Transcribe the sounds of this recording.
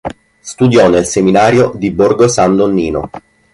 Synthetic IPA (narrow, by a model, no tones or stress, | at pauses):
st̪ud̪jɔnelseminaːɾjod̪iborɡosand̪onːiːno̰